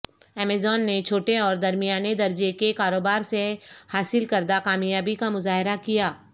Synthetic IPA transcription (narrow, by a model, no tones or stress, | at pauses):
ɛːmeːzɔːnːet͡ʃʰoːʈeɔːɾd̪ɐɾmijaːned̪ɐɾd͡ʒekekaːɾoːbaːɾsehaːsɪlkɐɾd̪akaːmjaːbikamʊzaːɦɪɾakijaː